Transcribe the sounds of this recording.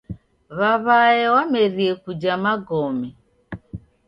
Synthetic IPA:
βaβajɪwameɾiekud͡ʒamaɡɔmi

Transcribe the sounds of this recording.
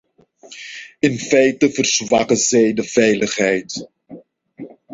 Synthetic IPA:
ɪnfɛjtəvərzʋakəzɛjdəv̥ɛjləχɦɛjt

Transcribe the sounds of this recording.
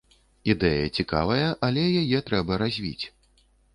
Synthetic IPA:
id̪ɛjɐ̰t͡sʲika̰vɐjɐʔalʲɛjajɛt̪ɾɛbɐɾazʲvʲḭt͡sʲ

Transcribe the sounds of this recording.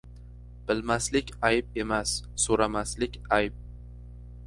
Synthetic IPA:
b̥ɪlmaslɪkʲajp̚e̞masːoɾamaslɪkʲajp̚

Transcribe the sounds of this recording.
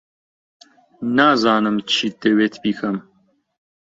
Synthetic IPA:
naːzɑːnɨmt͡ʃʰit̪eweːt̪ʰbiːkʰɐm

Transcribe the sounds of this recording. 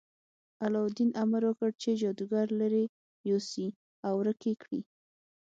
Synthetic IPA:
alɑwd̪inamaɾwəkəɽt͡ʃed͡ʒɑd̪uɡɑɾlaɾe | josi | awɾəkekɽḭ

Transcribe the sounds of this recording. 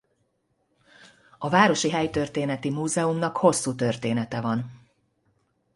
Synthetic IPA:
ɒvaːɾo̞ʃiɦɛjt̪ø̞rt̪eːnɛt̪imuːzɛumnɒkho̞sːuːt̪ø̞rt̪eːnɛt̪ɛvɒn

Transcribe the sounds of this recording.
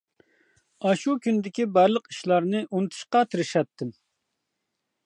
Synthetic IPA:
ɑʃukʲʰynd̪ɪkʲibæɾlˠəqiʃlˠɑɾnɨʔunɨt̪ʰɨ̥ʃqɑt̪ʰɪɾɪʃɑt̪ʰːɪm

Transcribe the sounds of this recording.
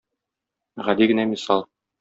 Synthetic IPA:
ʁæliɡɘ̆næmisɑlˠ

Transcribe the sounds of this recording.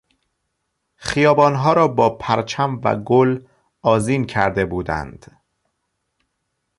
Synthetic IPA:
xijɒːbɒːnɦɒːɾɒːbɒːpʰæɾt͡ʃʰæmvæ̰ɡol | ɒːziːncʰæɾd̪e̞buːd̪æ̰nd̪̥

